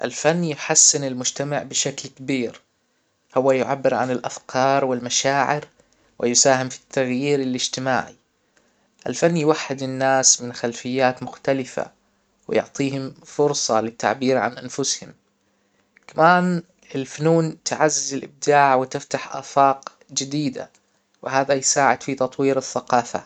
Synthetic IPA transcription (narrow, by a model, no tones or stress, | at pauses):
ʔɪlfanːjɪħasːɪnɪlmʊd͡ʒt̪amaʕbɪʃaklkabiːɾ | hʊwːajʊʕabːɪɾʕa̰nɪlʔa̰fkʰɑːɾˤwɪlmaʃaːʕɪɾ | wɪjʊsaːhɪmfi̥t̪ʰːaɣjiːɾɪlɪd͡ʒt̪ɪma̰ːʕḭ | ʔɪlfanːjwaħːɪd̪ɪnːaːsmɪnxalfɪjːaːt̪mʊxt̪alɪfa̰ | wɪ̰jʊ̰ʕt̪ˤiːɦʊmfʊɾsˤɑlɪt̪ːa̰ʕbiːɾʕa̰nʔanfʊshʊm | kamaːn | ɪlfʊnuːnt̪ɪʕazːɪzɪlʔɪ̰b̚d̪aːʕwɪt̪ɪft̪aħʔa̰ːfɑːq | d͡ʒɪd̪iːd̪a̰ | wɪhaːðajsaːʕɪd̪̥fit̪ɑt̪ˤwiːɾɪθːaqɑːfa̰